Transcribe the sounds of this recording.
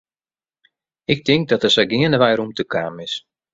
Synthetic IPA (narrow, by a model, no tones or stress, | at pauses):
ɪk̚tɪŋk̚dɔtəsəɡɪənəʋɛjɾumtəkʰaːmɪs